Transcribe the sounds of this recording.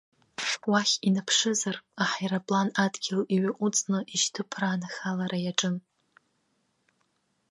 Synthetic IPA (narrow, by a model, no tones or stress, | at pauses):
waχʲinapʰʂɨzaraħajɾapʼlanadɡʲɪliɥaʔʷʼut͡sʼnɨʔiʃtʰɨpʰraːnaxalaɾajaʈ͡ʂʼɨn